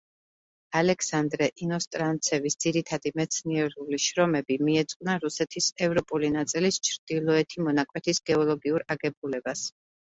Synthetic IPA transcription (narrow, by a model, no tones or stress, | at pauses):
alɛkʰsand̪ɾɛʔinɔst̪ʼɾant̪sʰɛvisd̪z̥iɾit̪ʰad̪imɛt̪sʰniɛɾuliʃɾɔmɛbimiɛt̪sʼqʼnaɾusɛt̪ʰisɛvɾɔpʼulinat̪sʼilist͡ʃʰɾd̪̥ilˠɔɛt̪ʰimɔnakʼwɛt̪ʰisɡɛɔlˠɔɡiuɾaɡɛbulɛbas